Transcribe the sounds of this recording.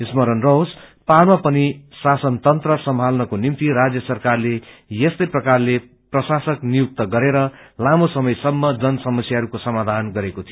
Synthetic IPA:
ismʌɾʌnrospalmapʌnisasʌnt̪ʌnt̪rʌsʌmbʱalnʌkonimt̪iɾad͡zjʌsʌrkarlejest̪ʌjprʌkarle | prʌsasʌknijuk̚t̪ʌɡʌɾeɾʌlamosʌmʌjsʌmːʌd͡zʌnʌsʌmʌsjaɦʌɾukosʌmad̪ʱanɡʌɾekot̪ʰijo

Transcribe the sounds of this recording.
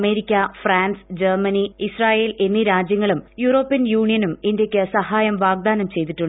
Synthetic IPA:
me̞ːɾikʲːɐfraːnsd͡ʑermɐniisraːjeːle̞nːiɾaːd͡ʑjɐŋːɐɭumjuːro̞ːpːijɐnjuːɳijɐnumindjɐkʲːɨsɐhaːjɐmʋaːɡ̚d̪aːnɐmt͡ɕe̞jt̪iʈːuɳɖ

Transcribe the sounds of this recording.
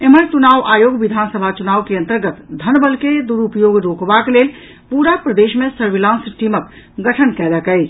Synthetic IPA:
eməɾt͡ʃunaːʋʔaːjoːɡʋid̪ʱansəbʱat͡ʃunaːʋkeə̃nt̪əɾɡət̪d̪ʱənbəlked̪uɾupjoɡɾokbakelel | puɾapɾəd̪eʃmẽsəɾʋilãnsʈimək̚ | ɡəʈʰənkɛləkɛɪt͡ʃʰ

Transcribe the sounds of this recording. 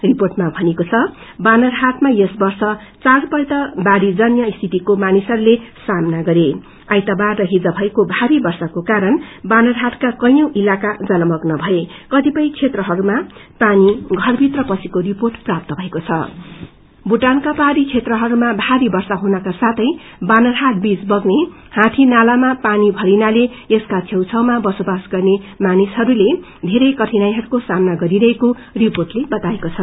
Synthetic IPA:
riporʈmabʱʌnekot͡sʰʌ | banʌrɦat̪majesbʌrsʌt͡saɾpʌjt̪ʌbaɾid͡zʌnjʌist̪ʰit̪ikomanisʌɾulesamnaɡʌɾe | ajt̪abarrʌɦid͡zʌbʱʌekobʱaɾibʌrsʌkokaɾʌnbanʌrɦat̪kakʌjjõʔilakad͡zʌlʌmʌknʌbʱʌekʌt̪ipʌj̃t͡sʰet̪rʌɦʌɾumapaniɡʱʌrbʱit̪rʌpʌsikoriporʈprap̚t̪ʌbʱʌekot͡sʰʌ̰ | buʈankapaɾit͡sʰet̪rʌɦʌɾumabʱaɾibʌrsaɦunʌkasat̪ʰʌj | banʌrɦaʈ̚bid͡zbʌɡne | hãʈ̪ʰinalamapanibʱʌɾinale | eskat͡sʰewt͡sʰʌwmabʌsobasɡʌrnemanisɦʌɾule | d̪ʱeɾʌjkʌʈʰinajɦʌɾukosamnaɡʌɾiɾʌɦeko | riporʈlebʌt̪aekot͡sʰʌ

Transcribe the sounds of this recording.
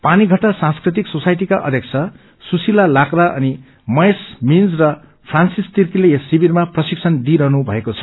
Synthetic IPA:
paniɡʱʌʈːasãnskrit̪̬iksosajʈikaʔʌ̰d̪ʱjʌk̚t͡sʰʌ | susilalakdaʔʌ̰ni | mʌjsmind͡zrʌ | pʰransist̪irkileesːibiɾmaprʌsiksʰʌnd̪iɾʌɦnubʱʌ̰ekot͡sʰʌ̥

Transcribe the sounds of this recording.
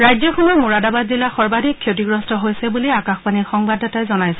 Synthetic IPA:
ɹajzɔxɔmɔjmuɹadabadzilaxɔɹbadʱikʰːjotiɡɹɔstɔɦojsɛbuliakaxpanixɔŋbadɔtajzɔnajsɛ

